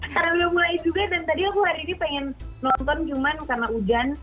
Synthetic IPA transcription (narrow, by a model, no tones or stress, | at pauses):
karnaudamulajd͡ʒuɡadant̪adiakuhaɾiːnipɛŋɛn | nɔnt̪ɔnt͡ʃumankarnaud͡ʒan